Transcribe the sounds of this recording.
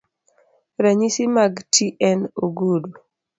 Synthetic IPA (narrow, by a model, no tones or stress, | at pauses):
ɾaɲisimaɡtiʔɛnoɡudu